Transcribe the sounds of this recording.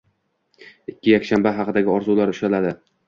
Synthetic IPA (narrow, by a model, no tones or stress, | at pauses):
ɪkʲʰːɪjakʲʃanbaɦɑqʰɨd̪aɡʲɪɒɾzulaɾʊʃalad̪ɪ